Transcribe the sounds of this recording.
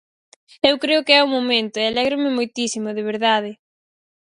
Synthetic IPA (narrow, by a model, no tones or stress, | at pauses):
ewkɾeʊkɪɛumomẽnt̪ʊɛalɛɣɾʊmɪmojt̪isimʊðɪβ̞eɾðað̞ɪ